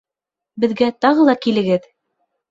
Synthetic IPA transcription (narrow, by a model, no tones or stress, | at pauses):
bɘ̆ðɡæt̪ɑʁɤ̆lˠɑkilɘ̆ɡɘð